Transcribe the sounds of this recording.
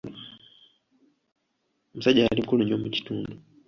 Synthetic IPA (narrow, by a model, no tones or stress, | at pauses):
m̩usaɟaalimkuluɲomuci̥tuːndu